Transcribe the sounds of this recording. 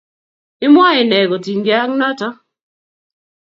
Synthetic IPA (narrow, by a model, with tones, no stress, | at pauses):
ɪ˦mwa˦ɪ˨nɛ˨ɡɔ˨ti˨ŋɡɪa˦ŋnɔ˦tɔ˦